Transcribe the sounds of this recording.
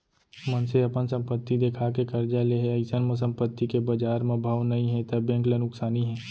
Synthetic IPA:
mənseɐpənsɐ̃mpət̪ːid̪eːkʰakekɐɾd͡ʒaleɦeɐɪsənməs̬ə̃mpət̪ːikebɐd͡ʒaːɾmẽbʱaʋnɐɦĩɦɛ̃t̪ɐbɛ̃ːŋklənʊksaːniɦɛ̃ː

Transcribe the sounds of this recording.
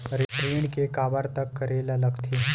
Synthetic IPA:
ɾɪʈɾiːɳkekaːbəɾt̪ɐkːɐɾeːlalɐɡt̪ʰe

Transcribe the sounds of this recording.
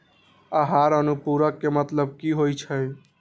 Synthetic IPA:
aɦaɾənupuɾəkːemət̪ləb̚kiɦojt͡ʃʰəj

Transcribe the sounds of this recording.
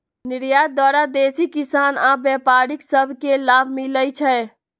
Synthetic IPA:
niɾjad̪waɾad̪esikisanãbjɛpaɾiksəbʱkelabʱmiləjt͡ʃʰɛ

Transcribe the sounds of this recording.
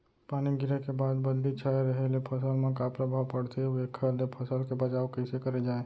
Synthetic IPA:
paniɡiɾekebad̪bəd̪lit͡ʃʰaeɾəɦelepʰəsəlmẽkapɾəbʱawpəɽt̪eekʰəlepʰəsəlkebət͡ʃawkəɪsekəɾed͡ʒae

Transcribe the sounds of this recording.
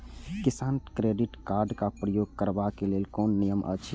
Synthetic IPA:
kɪsaːnkɾeːɖiʈkaːɾɖkapɾəjoːɡ̚kəɾbakeleːlkɔːnːijəmʔə̰t͡ʃʰ

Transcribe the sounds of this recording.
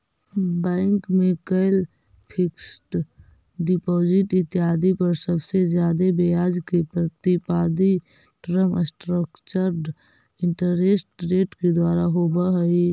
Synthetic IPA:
bɛ̃ːŋkmẽkəɪl | pʰɪksʈ | ɖɪpɔːd͡ʒɪʈɪt̪ːjaːd̪ipəɾsəbsezjaːd̪ebejaːd͡ʒkepɾət̪ipaːd̪i | ʈɾəməsʈɾəkt͡ʃəɾ | ɪ̃ɳʈəɾesʈɾeːʈked̪waːɾaɦobəɦəi

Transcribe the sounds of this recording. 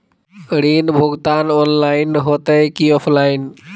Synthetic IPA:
ɾinbʱuɡt̪anɔnlajnɦot̪ejkiɔpʰlajn

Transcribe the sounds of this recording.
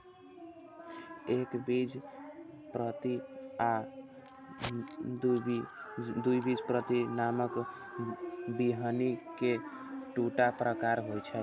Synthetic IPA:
ekbid͡ʒ | pɾət̪ia | d̪ujbid͡ʒpɾət̪inamək | biɦənike | ʈuʈapɾəkaɾɦojt͡ʃʰɛl

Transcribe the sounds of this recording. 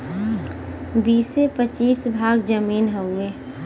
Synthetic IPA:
biːsepət͡ʃiːsbʱaːɡd͡ʒəmiːnɦəueː

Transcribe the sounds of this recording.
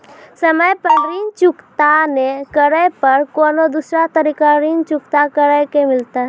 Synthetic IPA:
səməjpəɾint͡ʃʊkt̪anekəɾəjpəɾkoːnod̪usɾat̪əɾikaɾint͡ʃʊkt̪akəɾəkemɪlt̪aɦ

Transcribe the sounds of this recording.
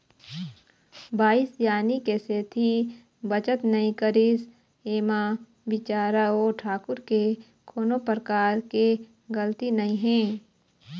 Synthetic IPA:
baːɪsjaːnikeseːt̪ʰi | bət͡ʃət̪nəĩkəɾis | eːmã | ʋɪt͡ʃaːɾaoːʈʰaːkʊɾke | kʰoːnõpɾəkaːɾke | ɡəlt̪inəĩɦɛ̃ː

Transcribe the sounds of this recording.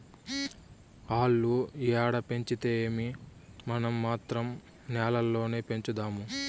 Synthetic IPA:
aːɭːuiaːɽɐpe̞ɲt͡ʃit̪eːmimɐnɐmːaːt̪ɾɐm | nɛːlɐlːo̞ːne̞ːpe̞ɲt͡ʃud̪aːmu

